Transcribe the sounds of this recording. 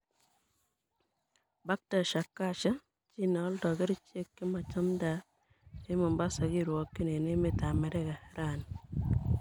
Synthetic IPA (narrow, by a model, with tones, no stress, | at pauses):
ba˦k̚ta˨ʃa˨kːa˦˨t͡ʃa˦ | t͡ʃi˦nɔ˦ldɔ˨ɡɪ˦ɾt͡ʃe˦kːɪ˦ma˨t͡ʃa˦mda˨˦ | e˦mɔ˨mba˦sa˨ɡi˦ɾwɔ˨˦kːɪ˦ne˨ne˦me˨ta˨mɛ˨ɾɛ˦ka˨ɾa˨n